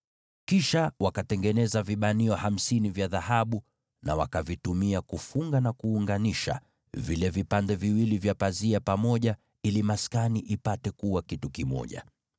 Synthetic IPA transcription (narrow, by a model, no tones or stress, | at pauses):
kiʃawʔakatɛŋɡɛnɛzaviɓaniɔham̩sinivjaðahaɓu | na̰wa̰kavitumiakufuŋɡanakuːŋɡaniʃa̰ | vilɛvipandɛviwilivjapaziapamɔʄa | ilimaskaniʔipatɛkuwakitukimɔ̰ʄa̰